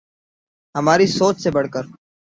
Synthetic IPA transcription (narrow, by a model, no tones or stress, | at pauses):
ɦəmaːɾisoːt͡ʃsebəɽ̤kəɾ